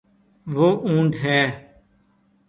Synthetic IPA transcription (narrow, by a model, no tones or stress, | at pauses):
ʋoːʔũːɳɖɦɛː